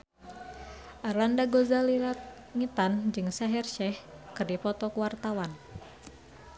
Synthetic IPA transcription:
ʔarlandaɡozaliɾat̪̚ | ŋit̪and͡ʒɨŋsaɦɛrʃɛhkɨrdipɔt̪ɔkuwart̪awan

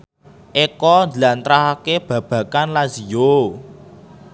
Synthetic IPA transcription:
ʔekɔnd̪lant̪ɾaɦakeb̥ä̤b̥ä̤kanlazijo

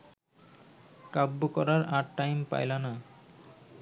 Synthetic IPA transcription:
kabːokɔɾaɾaʈːajmpa̰jlana

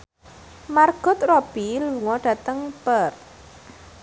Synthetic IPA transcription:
marɡ̥ʊ̤t̪̚rob̥iluŋɔɖ̥ä̤t̪əŋpər

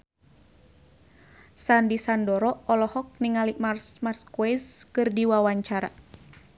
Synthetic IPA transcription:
sandisandɔɾɔɔlɔhɔk̚niŋaliʔmarsmarskwɛskɨrdiwawaɲt͡ʃaɾa̰

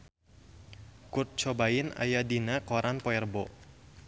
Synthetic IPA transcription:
kʊt̪̚t͡ʃobaɪna̰jadinakoɾanpɔɛrbɔ

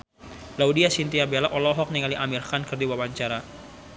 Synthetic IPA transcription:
laudiasint̪iabelaʔɔlɔɦɔk̚niŋaliʔamirkankɨrdiwawaɲt͡ʃaɾa

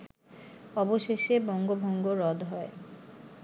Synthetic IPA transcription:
ɔboʃeʃebɔŋɡobʱoŋɡoɾɔd̪ʱɦɔe

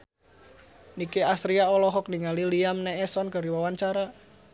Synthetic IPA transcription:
nikeasɾiaɔlɔɦɔk̚niŋaliliamnɛːsɔnkəɾiwawaɲt͡ʃaɾa

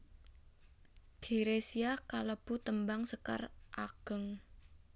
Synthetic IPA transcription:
ɡ̥i̤ɾesiakaləb̥ut̪əmbaŋsəka̰rʔaɡ̥əŋ

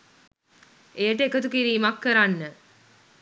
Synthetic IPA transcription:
ejəʈəekət̪ukiɾiːmakːəɾanːə

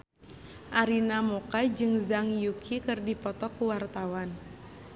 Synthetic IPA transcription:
ʔaɾinamokad͡ʒɨŋzaŋjukʰikɨrdipɔt̪ɔkuwart̪awan

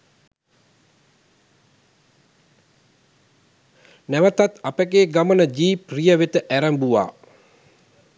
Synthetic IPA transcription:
nɛʋət̪at̪apəkeɡamənəd͡ʒiːprijəʋet̪əʔæɾəmbua̰ː

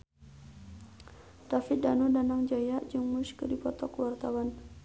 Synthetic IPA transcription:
d̥afɪt̪̚danudanaŋd͡ʒajaʔd͡ʒuŋmuskədipɔt̪ɔkəwart̪awan

